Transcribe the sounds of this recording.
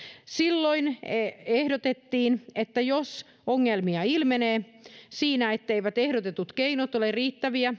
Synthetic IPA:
silːoinehdot̪et̪ːiːnet̪ːæjos | oŋːelmiɑilmeneːsiːnæet̪ːeiʋæt̪ehdot̪et̪ut̪keinot̪olerriːt̪ːæʋiæ

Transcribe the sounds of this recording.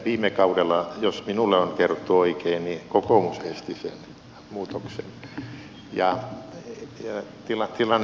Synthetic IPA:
ʋiːmekɑuɾelːɑjosminulːeonkerot̪ːuoikeinnikokomusest̪isḛn | muːt̪oksḛn | jɑ | jɑt̪ilɑt̪ilːɑn

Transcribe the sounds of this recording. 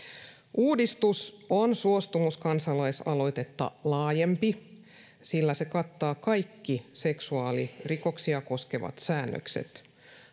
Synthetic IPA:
ʔuːdist̪usonsuost̪umuskɑnsɑlɑisɑlo̞jt̪et̪ːɑ̰lɑːjempi | silːæsekɑt̪ːɑːkɑjkːise̞ksuɑːlirikoksiɑko̞skeʋɑ̰t̪sæːnːø̰ksḛt̪

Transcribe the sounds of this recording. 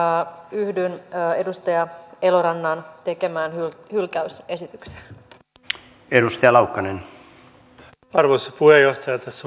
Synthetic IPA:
yhdynːe̞dust̪ɑjɑe̞loɾɑnːɑnt̪e̞ke̞mæːnhyhylkæyse̞sit̪ykse̥ | edust̪ɑjɑlɑukːɑnen | ɑrʋoisepuhejoht̪ɑjɑt̪æsːæ

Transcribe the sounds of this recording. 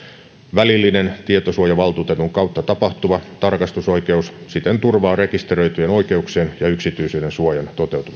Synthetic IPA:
ʋælilːinent̪iet̪osuojɑʋɑlt̪uːt̪et̪uŋkɑut̪ːɑt̪ɑpɑht̪uʋɑt̪ɑrkɑst̪uso̞ike̞ussit̪ent̪urʋɑːrekist̪erøit̪yeno̞ike̞ukseːnjɑyksit̪yːsyːnensuojɑnt̪o̞t̪e̞wt̪uʋɑ

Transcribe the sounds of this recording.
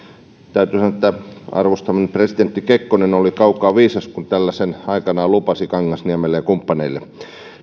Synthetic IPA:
t̪æyt̪yːsɑnoĕt̪ːæɑ̰rʋost̪ɑminepresid̪ent̪ːikekːonenolikɑukˑɑːʋiːsɑskunt̪ælːæsenɑikɑnɑːlupɑsikɑŋːɑsniæmelejɑkumpːɑneilːe

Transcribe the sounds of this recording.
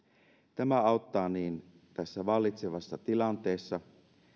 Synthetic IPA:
t̪æmæɑot̪ːɑːniːn | t̪æsːæʋɑlːit̪seʋɑsːɑt̪ilɑnt̪e̞ːsːɑ

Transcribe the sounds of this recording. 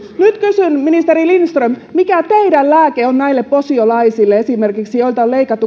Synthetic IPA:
nyt̪kysynminist̪eɾilinst̪rømmikæt̪eidællæːkeonnæilːepposiolɑisilːeesimerkiksijo̞ilt̪ɑoleikɑt̪ːu

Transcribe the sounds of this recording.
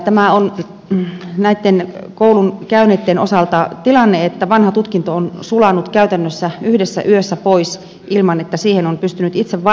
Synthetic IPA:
t̪æmæon | næit̪ːenkoulunkæynet̪ːenosɑlt̪ɑt̪ilɑnːeet̪ːæʋɑnhɑt̪ut̪kint̪oonsulɑnut̪kæyt̪ænːøsːæyhdesːæ̰ʔyøsːæpois | ʔilmɑnet̪ːæsiːhenompyst̪ynyt̪it̪seʋʋɑ

